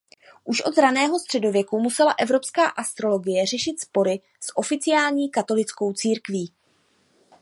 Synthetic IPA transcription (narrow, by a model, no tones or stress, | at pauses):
ʔuʃʔo̞t̪zɾanɛːɦo̞st̪r̥ɛdo̞vjɛkumusɛlaʔɛvɾo̞pskaːʔast̪ɾo̞lo̞ɡɪjɛr̝ɛʃɪt̪spo̞ɾɪ | sʔo̞fɪt͡sɪjaːlɲiːkat̪o̞lɪt͡sko̞wt͡siːɾkviː